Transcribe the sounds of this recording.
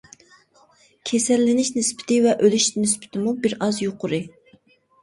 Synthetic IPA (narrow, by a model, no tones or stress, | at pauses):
kʲʰesɛlːɪnɪʃnɪspʰɪ̥t̪ɪvɛʔølyʃnɪspʰɪ̥t̪ʰɪmubiɾɑzjoqʊɾɨ